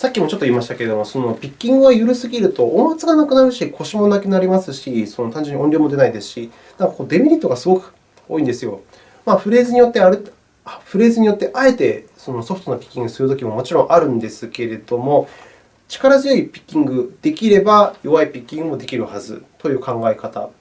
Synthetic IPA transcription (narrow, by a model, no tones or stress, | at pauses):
sakʲːimo̞t͡ɕo̞t̪ːoiːmaɕi̥t̪ake̞ɾe̞d̪o̞moso̞no̞pʲikʲːĩŋɡɯ̟βajɯɾɯ̟sɨɡʲiɾɯ̟t̪o̞ʔomat͡sɨɡanakɯ̟naɾɯ̟ɕikʰo̞ɕimo̞nakɯnaɾʲimasɨɕiso̞not̪ãɲ̟d͡ʑɨ̟ɲ̟iõnʲɾʲoːmo̞d̪e̞naid̪e̞sɨ̥ɕi | nãŋkakod̪e̞bʲiɾʲit̪ːo̞ɡasɨɡo̞kɯ̟̥ | o̞ːĩnd̪e̞sɨjo̞ | maɸɯ̟ɾe̞ːzɨɲ̟ijo̞t̪ːeaɾ | aɸɯ̟ɾe̞ːzɨɲ̟ijo̞t̪ːe̞ʔae̞t̪e̞so̞no̞so̞ɸ̟t̪o̞nopʲi̥kʲːĩŋɡɯ̟sɨɾɯ̟t̪okimo̞mo̞t͡ɕiɾõ̞ʔaɾɯ̟̃nd̪e̞sɨke̞ɾe̞d̪o̞mo̞ | t͡ɕi̥kaɾazɨjo̞ipʲi̥kʲːĩŋɡɯ̟d̪̥e̞kʲiɾe̞bajo̞βaipʲikʲːĩŋɡɯmo̞d̪e̞kʲiɾɯ̟hazɨ̰t̪o̞jɯ̟ːkãŋɡaekat̪a̰